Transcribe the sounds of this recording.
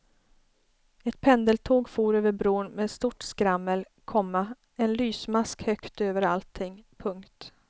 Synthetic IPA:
ɛt̪̚pʰɛnd̪əlt̪ʰoːɡfuːɾøːvəɾbɾoːnmeːd̪st̪uʈskɾamːəl | kʰɔmːa | ɛnlyːsmaskhœkt̪øːvəɾalt̪ʰːɪŋːpʰɵŋkt̪

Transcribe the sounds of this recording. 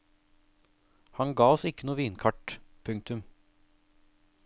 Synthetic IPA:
hɑŋɡɑːɔsɪkənuːʋiːnkʰɑʈpʰʉŋk̚t̪ʉm

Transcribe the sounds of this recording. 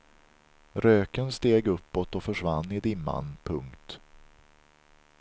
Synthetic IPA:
ɾøːkənst̪eːɡɵpːɔt̪ɔfœʂvanːɪd̪ɪmːa̰npʰɵŋkt̪

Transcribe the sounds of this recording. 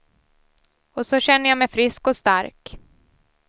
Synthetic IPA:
ɔsɔɕɛnːəjamɛjfɾɪskɔst̪aɾk

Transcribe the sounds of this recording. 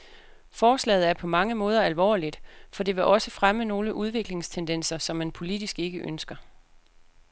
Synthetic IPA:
fɒːslɛ̰ːð̩ˠæɐpʰɒ̽mɑ̈ŋəmɔ̽ːð̞ˠɐælʋɒ̰ːlid̥fɒ̽d̥e̝ʋe̝ʔɒ̽səfʁaməno̝ːləʔuð̞ˠʋe̝ɡ̥le̝ŋst͡sʰend̥en̰sɐsɒ̽mːænpʰo̝lid̥isɡ̥e̝ɡ̥əʔønsɡ̥ɐ

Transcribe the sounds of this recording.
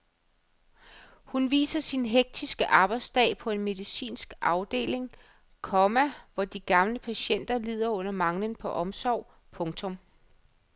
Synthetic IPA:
hunʋḭːsɐsinɦeɡ̥̚d̥ʰisɡ̥əʔɑ̈ːb̥ɑ̈ɪd̥sd̥ɛ̰ːpʰɒ̽e̝nme̝ðˠisḭːnsɡ̥ʔɑ̈ʊd̥e̝̰ːle̝ŋ | kʰɒmæʋɒd̥iɡ̥ɑ̈mləpʰæɕen̰d̥ɐliːð̞̰ˠɐɔ̽n̰ɐmɑ̈ŋlənpʰɒ̽ʔɒ̽msɒʊ̰ | pʰɔ̽ŋt͡sʰɔ̽m

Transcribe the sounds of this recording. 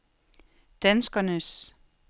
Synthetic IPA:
d̥ænsɡ̥ɐnəs

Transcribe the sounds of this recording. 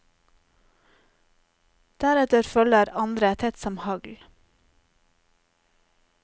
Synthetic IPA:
d̪̥æɾɛt̪əɾfœləɾɑnd̪ɾət̪ʰɛt̪sɔmhɑɡl

